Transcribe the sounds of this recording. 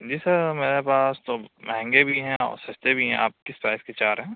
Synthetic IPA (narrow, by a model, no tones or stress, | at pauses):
d͡ʒiːsɐɾmeːɾepaːst̪omɛɦɛ̃ŋɡebʱiɦɛ̃ɔ̰ːɾsɐst̪ebʱiɦɛ̃ʔa̰ːp̚kɪspɾaːɪsket͡ʃaːɾɦɛ̃ː